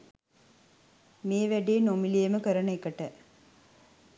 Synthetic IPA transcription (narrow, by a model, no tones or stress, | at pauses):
meːʋæɖeːnomilijeməkəɾəɳəekəʈə